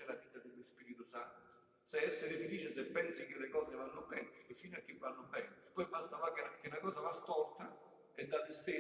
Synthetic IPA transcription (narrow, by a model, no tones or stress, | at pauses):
ɛlaviːt̪ad̪elːospiːɾit̪ʊsa̰nt̪ʊ | sɛɛsːeɾɪfeliːt͡ʃɪsepːɛnsik̟elːekɔːsevanːʊbɛnefːinakːevːanːʊbɛnpɔjbast̪avakek̟ɪnakɔːsavast̪ɔrt̪a | ɛd̪ːad̪ɪst̪e